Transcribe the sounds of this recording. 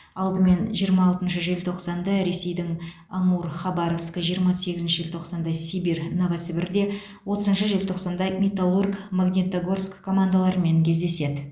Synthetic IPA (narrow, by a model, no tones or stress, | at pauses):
ɑlˠd̪əme̞nʒijəɾmɑːlˠt̪ənʃəʒelt̪ʰo̞qsɑnd̪ɑɾe̞se̞jd̪ɪŋ | ɑɴuɾχɑbɑɾofskəʒijəɾmɑse̞ɡʲɪzɪnʃɪʒɪlʲt̪ʰo̞qsɑnd̪ɑsibernovasəbɪɾd̪e̞ | wo̞t̪əzənʃəʒelʲt̪ʰo̞qsɑnd̪ɑmʲet̪alˠurkmaɡnʲet̪aɡorskʰːo̞mand̪alˠɑɾəme̞ŋkʲʰe̞zd̪e̞se̞d̪ɪ